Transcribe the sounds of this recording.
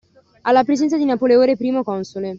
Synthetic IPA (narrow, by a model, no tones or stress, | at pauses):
alːapɾezɛnt̪sad̪inapoleoːɾepɾiːmokɔnsole